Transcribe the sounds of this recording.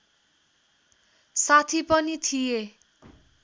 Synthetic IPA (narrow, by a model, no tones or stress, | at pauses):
sat̪ʰipʌnit̪ʰije